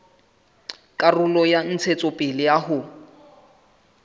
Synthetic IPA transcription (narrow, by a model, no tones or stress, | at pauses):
kʼarʊlɔjan̩t͡sʰet͡sʼɔpʼɪlɪjaɦʊ